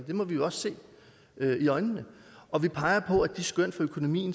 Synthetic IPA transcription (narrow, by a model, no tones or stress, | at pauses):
nd̥e̝mɒ̽ʋijo̝ɒ̽sse̝̰ː | øiɒ̽ɪnənə | ʔɒ̽ʋipʰɑ̈ɪɐpʰɒ̽æd̥isɡ̥œn̰̥fɒ̽økʰo̝no̝mḭːn̩